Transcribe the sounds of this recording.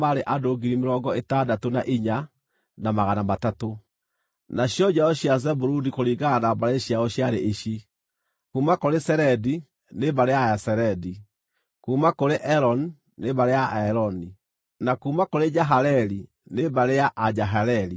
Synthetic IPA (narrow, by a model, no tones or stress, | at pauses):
maɾeʔadoɡiɾimeɾɔːɡɔetadatonaʔiɲa | namaɣanamatato | naɕjɔd͡ʑaɔɕjazɛbuɾudikoɾiːɣanabaɾeɕjaɔɕjaɾeʔeɕi | kuːmakoɾesɛɾɛdi | nebaɾeaasɛɾɛdi | kuːmakoɾeʔɛɾɔn | nebaɾeaɛɾɔni | nakuːmakoɾed͡ʒaɦaɾɛɾi | nebaɾeaʔad͡ʒaɦaɾɛɾi